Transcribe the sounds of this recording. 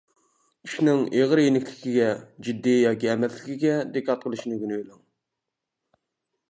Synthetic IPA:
i̥ʃnɪŋeʁɾjenɪkʲlɪkʲiɡʲɛd͡ʒid̪ːijɑːkʲiɛmɛslɪkʲiɡʲɛd̪ekʰːɑt̪̚qʰəlˠɨʃinɨɡʲynybelɪŋ

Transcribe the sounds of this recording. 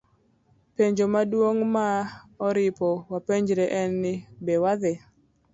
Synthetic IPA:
peɲd͡ʒomadwoŋmaɔɾɪpɔwapeɲd͡ʒɾɛʔɛnːɪbewaðɛ

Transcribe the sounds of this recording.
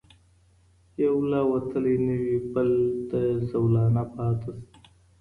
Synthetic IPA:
jawlawɐt̪ʰəlenəwipəld̪əsawlɑːnapɑːt̪əs

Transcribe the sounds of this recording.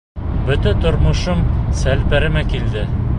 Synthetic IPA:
bɵ̆t̪æt̪ŏɾmŏʃomsælpæɾɘ̆mækild̪ɘ

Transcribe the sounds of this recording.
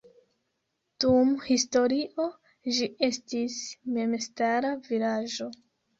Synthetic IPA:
d̥umhisto̞ɾiʔo̞ | d͡ʒie̞stisme̞mstaɾavilad͡ʒo̞

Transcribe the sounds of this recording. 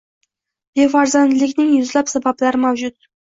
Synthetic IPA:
b̥efaɾzand̪lɪkʲnɪŋjʊzlapsabablaɾɪmawd͡ʒʊt̪

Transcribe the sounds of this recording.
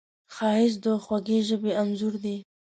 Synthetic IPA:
xɑhɪs̬d̪əxwaɡeʒəbeamzuɾd̪i

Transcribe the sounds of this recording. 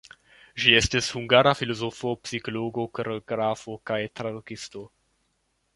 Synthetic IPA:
ʒiestishuŋɡaɾafilozofopsikoloɡokoɾeoɡɾafokajt̪ɾadukisto̞

